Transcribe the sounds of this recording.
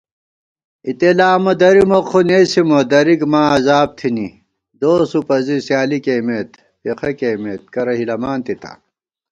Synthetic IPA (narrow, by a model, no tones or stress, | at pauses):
it̪elaːmɐd̪ɐɾimoqʰunesimɐd̪ɐɾikmaːɐzaːb̚t̪ʰini | d̪oːsupɐzisjaːlikeːmeːt̪ | fiqʰɐkeːmeːt̪̚kɐɾɐɦilɐmaːnt̪it̪ʰa̰